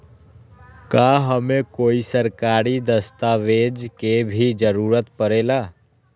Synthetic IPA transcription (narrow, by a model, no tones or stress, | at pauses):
kaɦəmekoːisəɾkaɾid̪əst̪aʋed͡ʒkebʱid͡ʒəɾuɾət̪pəɾela